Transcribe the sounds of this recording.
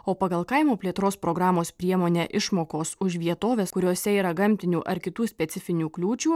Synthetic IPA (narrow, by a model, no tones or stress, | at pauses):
oːpɐɡɐlˠkɐɪmoːpʲlʲiɛt̪ɾoːspɾoːɡɾɑːmoːspʲɾʲiɛmoːnʲɛːʔɪʃmoːkoːsʊʃʋʲiɛt̪oːʋʲeːskʊɾʲoːsʲɛiːɾɐɡɐmʲt̪ʲɪnʲuːʔɐɾkʲɪt̪uːsʲpʲɛt̪sʲɪfʲɪnʲuːklʲuːt͡ʃʲuː